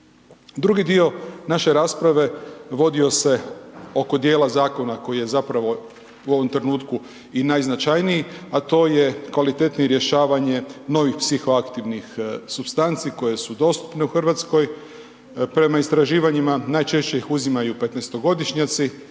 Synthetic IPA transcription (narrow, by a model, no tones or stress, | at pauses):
d̪ɾuɡid̪io̞naʃe̞ɾaːspɾaʋe̞ʋo̞d̪io̞se̞o̞ko̞d̪je̞ːlˠazaːko̞nako̞jije̞zapɾaʋo̞ | uo̞ʋo̞mt̪ɾe̞nuːt̪ku | inajznat͡ʃajnijiat̪o̞ːje̞kʋalit̪et̪niiɾje̞ʃaːʋaɲe̞no̞ʋixpsixo̞akt̪iʋnixsubst̪ant̪siko̞je̞sud̪o̞st̪u̥pne̞uxr̩ʋat̪sko̞j | pɾe̞maist̪ɾaʒiːʋaɲimanajt͡ʃe̞ʃt͡ɕe̞ixuzimajupe̞t̪nest̪oɡo̞d̪iʃɲat̪si